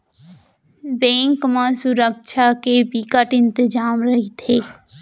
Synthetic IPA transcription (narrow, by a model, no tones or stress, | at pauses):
bẽːŋkmãsuɾəkʃakebikəʈɪ̃nt̪ɪd͡ʒaːmɾəɦit̪ʰeː